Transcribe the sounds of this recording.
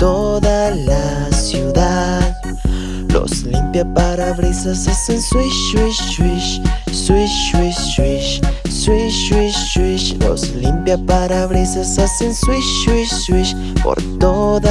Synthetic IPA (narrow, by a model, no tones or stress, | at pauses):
t̪od̪alasjud̪að | lo̰slimpjapaɾaβɾisasasenswiʃwiʃʃwiʃswiʃwi | ʃwiʃswiʃwiʃʃwiʃlo̰slimpjapaɾaβɾisasasenswiʃʃwiʃswiʃ | po̰ɾt̪od̪a